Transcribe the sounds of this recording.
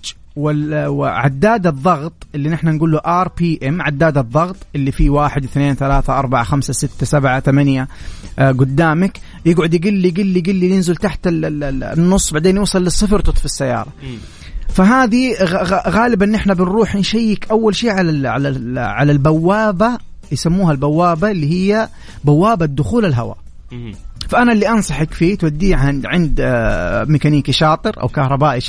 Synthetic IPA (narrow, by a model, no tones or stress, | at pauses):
wɪɪʕa̰d̪ːaːd̪ɨðˤːɑɣt̪ˤʔɪlːinɪħnanɡuːlːuʔɑɾˤpiːʔɪmʕad̪ːaːd̪ɑðˤːɑɣt̪ˤʔɪlːifiwaːħɪd̪ɪθneːnθalaːθaʔɑɾˤbaʕaxamsasɪt̪ːasabʕat̪amanjaɡʊd̪ːaːmak | jɪɡʕʊd̪jɪɡɪlːiɡɪlːijɡɪlːijɪnzɪlt̪aħt̪ɪnːʊsˤːbaʕd̪eːnjusˤɨlːɨsˤːɨfɾt̪ʊt̪ˤfɪsːajːɑ̰ːɾˤɑ | faɦaːðiɣɣaːlɪbaʔɪnːʔɪħnabɪnruːħnʃajːɪkʔawːalʃiːʕalaʕa̰laʕalalbawːaːba | jsamːuːhalbawːaːbaɪlːiːhɪjːa | bawːaːbad̪ːʊxuːlɪlɦa̰wa̰ | faʔanalːiʔɑnsˤɑħɪkfit̪wad̪ːiːʕhaʕɪnd̪ | mɪkaniːkiʃɑːt̪ˤɨɾʔa̰wkɑhɾˤɑbaːʔi